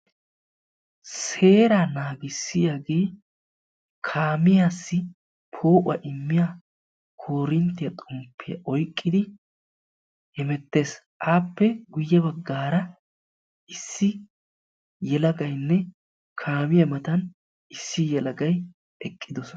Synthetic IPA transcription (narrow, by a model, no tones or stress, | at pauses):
se̞ːɾanaːɡɪsːɪjaːɡe̞ː | kʰaːmɪjaːsːɪ | pʰo̞ːʔʊɐʔɪmːɪja | kʰo̞ːɾɪnt̪ːɪjɐt̪ʼʊmpʰːɪjɐ̰ʔɔjkʼːɪd̪ɪ | hɛmɛt̪ːe̞ːs | ʔaːpːɛɡʊjːɐbɐɡːaːɾɐ | ɪsːɪ | jɛlɐɡɐjnːɛ | kʰaːmɪjɐmɐt̪ɐn | ɪsːɪjɛlɐɡɐj | ʔɛkʼːɪd̪ɔsɔ